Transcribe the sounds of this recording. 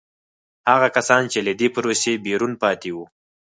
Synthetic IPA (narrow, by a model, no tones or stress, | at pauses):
haɣakasɑnt͡ʃelad̪epaɾosebeɾunpɑt̪ewu